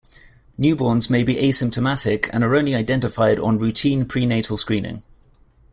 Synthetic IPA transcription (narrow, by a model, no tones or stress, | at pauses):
njʉːbɔːnzmeɪbiʔeɪsɪ̃mp̚tʰəmatɪkʰə̰̃nəɹə̃ʊ̃nliaɪdɛ̃ntɪfaɪdn̩ɹʉˑtʰĩːnpʰɹ̥iːneɪtʰəlˠskɹĩːnɪ̰̃ŋ